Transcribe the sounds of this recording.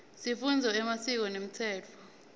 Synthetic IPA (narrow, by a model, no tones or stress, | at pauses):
sifund͡zʱɔɛmasik̬ɔnem̩tʰɛːt͡fʰɔ